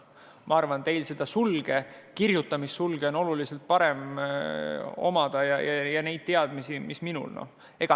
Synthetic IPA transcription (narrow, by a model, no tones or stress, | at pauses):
mʔɑɑrvɑnt̪e̞jlse̞d̪̥ɑsulɡ̥e̞ | kirjut̪ːˑɑmisːulɡ̥e̞o̞no̞lulise̞lt̪̚pɑɾe̞m | o̞̰mɑd̪̥ɑjɑjɑjɑne̞jd̪̚t̪eɑd̪̥misimisminṵlno̰ | e̞ɡ̥ɑ